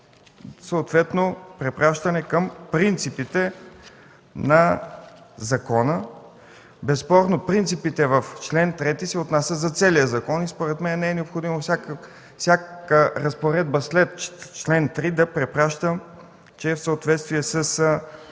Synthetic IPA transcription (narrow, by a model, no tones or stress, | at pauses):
səot̪vɛt̪nopɾɛpɾaʃt̪ɐnɛkəmpɾint̪sipit̪ɛ | nɐ | zɐkɔnə | bɛspɔɾnopɾint̪sipit̪ɛvəft͡ʃlɛnt̪ɾɛt̪isɛot̪nasʲəzɐt̪sɛlijəzɐkɔnispoɾɛt̪mɛnnɛɛnɛopxod̪imofsʲak | sʲjakkəɾɐspoɾɛd̪̚bɐslɛt̪t͡ʃlɛnt̪ɾid̪ɐpɾɛpɾaʃt̪əm | t͡ʃɛːfsəot̪vɛt̪st̪viɛsəs